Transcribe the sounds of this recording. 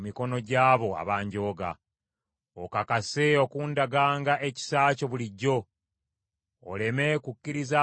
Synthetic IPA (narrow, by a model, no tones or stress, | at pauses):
miko̞no̞ɟaːβo̞a̰βaːɲɟo̞ːɡa̰ | okakase̞o̞kuːndaɡaːŋɡaʔe̞ci̥saːco̞βuliɟːo̞ | le̞me̞kucːiɾiza